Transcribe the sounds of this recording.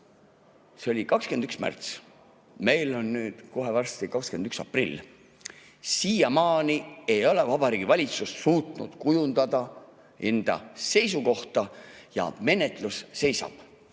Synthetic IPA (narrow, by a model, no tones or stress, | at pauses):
seo̞lʲikɑkskend̪yksmæ̰rt̪s | me̞jlo̞nːyːd̪̥ko̞ɦe̞vɑrst̪ikɑkskend̪yksɑ̰prilː | siːjɑmɑːnie̞jo̞le̞vɑb̥ɑɾiːɡivɑlʲit̪susːuːt̪nṵd̪̥kujund̪̥ɑd̪̥ɑ | e̞nd̪̥ɑ̰se̞jsuko̞ht̪ɑjɑ̰me̞ne̞t̪ˑlusːe̞jsɑ̰b̥